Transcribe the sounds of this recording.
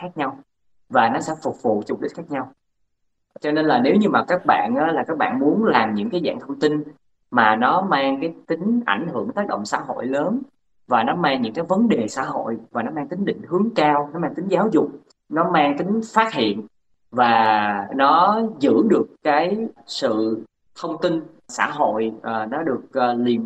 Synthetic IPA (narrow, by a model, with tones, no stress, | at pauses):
xaː˦˥k̚ɲa˧w | vaː˨˩nɔ˨˦sɛ̰˧˥fʊ˨˩k͡p̚vṵ˧˨t͡ɕʊ˨˩ɗï˦˥t̟̚xaː˦˥k̚ɲa˧w | t͡ɕɔ˧ne˧nlaː˨˩ne˨˦wɲɨ˧maː˨˩kaː˦˥k̚ɓa̰ː˧˨nʔaː˨˦laː˨˩kaː˦˥k̚ɓa̰ː˧˨nmu˨˦ənlaː˨˩mɲɨ̰˧˥ŋkaː˨˦jza̰ː˧˨ŋt̪ʰə˧wŋ͡mt̪i˧n | maː˨˩nɔ˨˦maː˧ŋkaː˨˦jt̪ï˨˦ŋ̟ʔa˧˩jŋ̟hɨ̰˧˩əŋt̪aː˦˥k̚ɗə̰˧˨ŋ͡msa̰ː˧˥ɦo̰˧˨jləː˨˦n | vaː˨˩nɔ˨˦maː˧ŋɲɨ̰˧˥ŋkaː˨˦jvə˨˦nɗe˨˩sa̰ː˧˥ɦo̰˧˨jvaː˨˩nɔ˨˦maː˧ŋt̪ï˨˦ŋ̟ɗḭ̈˧˨ŋ̟hɨ˨˦əŋkaː˧wnɔ˨˦maː˧ŋt̪ï˨˦ŋ̟zaː˨˦wzʊ˨˩k͡p̚ | nɔ˨˦maː˧ŋt̪ï˨˦ŋ̟faː˦˥t̚hḭ˧˨ən | vaː˨˩nɔ˨˦zɨ̰˧˥ɗɨ˨˩əkːaː˨˦jsɨ̰˧˨ | t̪ʰə˧wŋ͡mt̪i˧n | sa̰ː˧˥ɦo̰˧˨jʔːnɔ˨˦ɗɨ˨˩ək̚ːli˨˩ən